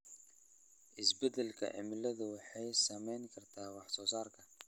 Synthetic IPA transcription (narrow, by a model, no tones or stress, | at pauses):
ʔɪsbɛd̪ɛlkʰɐ̰ʕɪ̰mɪlɐðʊwɑħɑjsɐmɛjŋkʰɐrt̪ʰaːwɑħsɔːsaːrkʰɐ